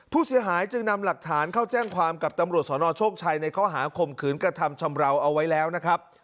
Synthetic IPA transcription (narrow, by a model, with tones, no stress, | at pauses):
pʰːuː˥˩si˨˩˦ɐɦaː˩˦jt͡ɕɯ˧ŋna˧mla˨˩k̚t̪ʰaː˩˦nkʰa˥˩wt͡ɕɛː˥˩ŋkʰwaː˧mka˨˩p̚t̪a˧mɾu˨˩ət̪̚sɔː˩˦nɔː˧t͡ɕʰoː˥˩k̚t͡ɕʰaː˧jna˧jkʰɔː˥˩ɦaː˩˦kʰo˨˩mkʰɯː˩˦nkɾa˧t̪ʰa˧mt͡ɕʰa˧mɾa˧wʔa˧wːa˦˥jlɛː˦˥wna˦˥kʰɾa˦˥p̚